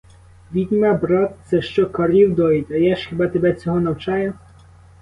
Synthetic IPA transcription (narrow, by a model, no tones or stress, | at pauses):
ʋʲid̪ʲmʲabɾɔt̪̚t̪sɛʃt͡ʃɔkɐɾʲiwd̪ɔit̪ʲɐjaʃxʲebɑt̪ebɛt͡sʲɔɦɔnɐwt͡ʃɑjʊ